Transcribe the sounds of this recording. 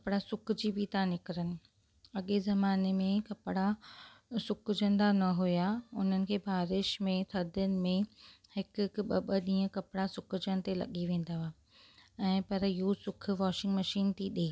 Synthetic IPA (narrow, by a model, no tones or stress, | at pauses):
kɐpɪɽasʊkʰʊd͡ʑibit̪ãnɪkɪɾənɪ̆ | ɐɠezɐmaːnemẽkɐpɪɽa | sʊkʊd͡ʑə̃nd̪anɐɦujaʊn̤ənɪ̆kʰeːbʱaːɾɪʃmẽt̪ʰɐd̪ʱʊnɪ̆mẽhɪkkɓɐɓəɗĩːə̃kɐpɪɽasʊkʊd͡ʑəɽ̃ɪ̆t̪elɐ̰ɠiʋẽːn̆d̪aaː | ɛ̃ːpɐɾɪɦosʊkʰʊ̆ʋaːʃɪ̃ŋɡmɐʃiːnt̪ʰiɗeː